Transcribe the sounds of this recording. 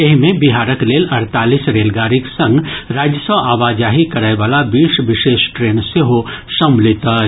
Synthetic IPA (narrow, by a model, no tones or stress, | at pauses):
ɪɦmẽbɪɦaːɾəkleːlɐɾt̪aːlisɾeːlɡaːɾɪksɐ̃ŋɡɾaːd͡ʒjəsəʋʔaːʋaːd͡ʒaːɦikɐɾaeʋaːlabiːʃʋɪʃeːʃʈɾeːnseɦoʃɐmlɪt̪ə